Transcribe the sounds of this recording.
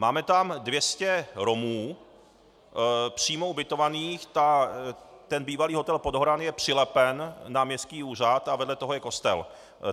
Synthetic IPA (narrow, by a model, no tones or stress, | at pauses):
maːmɛt̪amdvjɛscɛɾo̞muː | pr̝̥iːmoubɪt̪o̞vaniːxt̪a | t̪ɛnbiːvaliːɦot̪ɛlpo̞dɦoɾanjɛpr̝̥ɪlɛpɛnːamɲɛst̪̚kiːuːr̝at̪avɛdlɛt̪o̞ɦojɛko̞st̪ɛ̰l